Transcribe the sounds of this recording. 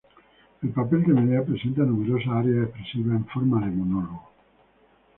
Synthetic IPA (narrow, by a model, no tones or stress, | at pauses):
elpapelkemeneapɾesent̪anumeɾosaaɾeaehpɾesiβaeɱfoɾmaðemonoloɣo